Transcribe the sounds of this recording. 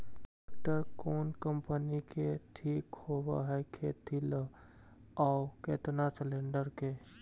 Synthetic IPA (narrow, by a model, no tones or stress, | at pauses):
kʈəɾkoːnkəmpənikeʈʰiːkhoba̰ɦɛkʰet̪ʰil | ɔːʊkeːt̪naslẽɳɖəɾke